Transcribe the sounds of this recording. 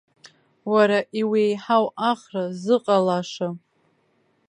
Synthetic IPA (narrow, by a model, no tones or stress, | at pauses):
waɾaʔiwejħawaχrazɨqʼalaʂa